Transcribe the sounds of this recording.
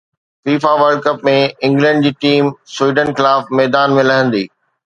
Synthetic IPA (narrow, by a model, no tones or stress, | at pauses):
fiːfaʋəɾlɖkɐpmẽɪ̃ŋɡlə̃ɳɖ̚d͡ʑiːʈiːmswiːɖənxɪlaːfmɛːd̪aːnmẽlɐɦə̃nd̪iː